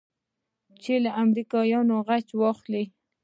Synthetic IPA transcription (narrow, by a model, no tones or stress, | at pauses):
t͡ʃelaʔamɾikɑjɑnoɣat͡ʃwɑxli